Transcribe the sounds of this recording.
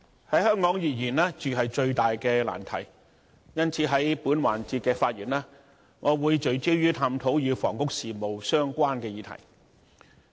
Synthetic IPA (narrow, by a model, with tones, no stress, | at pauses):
hɐ˨˥jhœː˥ŋkɔː˨˥ŋjiː˨jiː˨˩nlaː˥t͡ʃyː˨ɦɐ˨jt͡ʃɵ˧ɥt̪aː˨jkɛː˧la̰ː˨˩nt̪ʰɐ̰˨˩j | jɐ˥nt͡sʰiː˨˥ɦɐ˨˥jpuː˨˥nwa̰ː˨˩nt͡siː˧t̚kɛː˧faː˧t̚jiː˨˩naː˥ | ŋʔɔː˨˧wuː˨˧jt͡ʃɵ˨˧ɥt͡siː˥wjyː˥t̪ʰaː˧mt̪ʰo˨˥wjyː˨˧fɔ̰ː˨˩ŋkʊ˥k̚siː˨mo˨wsœː˥ŋkʷaː˥nkɛː˧jiː˨˧t̪ʰɐ̰˨˩j